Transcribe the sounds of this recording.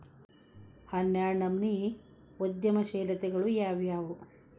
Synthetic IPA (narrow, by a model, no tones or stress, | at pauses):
hɐnjaːnɐmni | od̪jɐmɐʃeːlɐt̪ɛɡɐɭujaːʋjaːʋu